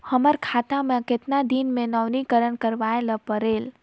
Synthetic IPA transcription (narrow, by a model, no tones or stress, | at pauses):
həməɾkʰat̪amẽket̪nad̪inmẽnəʋnikəɾənkəɾʋaeləpəɾel